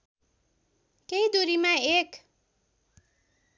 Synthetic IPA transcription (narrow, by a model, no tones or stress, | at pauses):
kejd̪uɾimaek